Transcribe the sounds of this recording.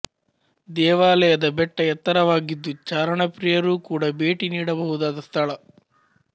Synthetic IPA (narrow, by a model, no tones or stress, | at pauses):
d̪ɛːʋaːlɛjɐd̪ɐbɛʈːɐjɛt̪ːɐɾɐʋaːɡid̪ːut͡ʃaːɾɐɳɐpɾijɐɾuːkuːɽɐbeːʈiniːɽɐbɐɦud̪aːd̪ɐst̪ʰɐɭɐ